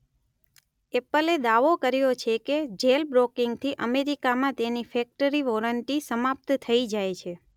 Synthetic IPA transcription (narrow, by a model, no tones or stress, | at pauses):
epəled̪aʋokəɾjot͡ʃʰeked͡ʒelbɾokɪŋɡt̪ʰiʔəmeɾikamãt̪enifɛk̚ʈəɾiʋɔləɳʈisəmap̚t̪t̪ʰəid͡ʒajt͡ʃʰe